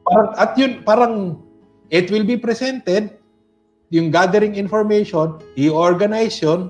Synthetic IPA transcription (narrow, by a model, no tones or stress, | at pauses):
paɾɐŋʔɐt̪̚jʊnpaːɾɐŋ | ʔɪt̪wɪlbipɾɛsɛnt̪ɛd̪̚ | jʊŋɡad̪ɛɾɪŋɪnfoɹmɛjʃoniʔoɹɡɐnajsjon